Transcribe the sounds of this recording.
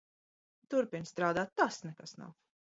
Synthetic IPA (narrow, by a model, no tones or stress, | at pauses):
t̪uɾpinst̪ɾaːd̪aːt̪ːasnɛkasna̰w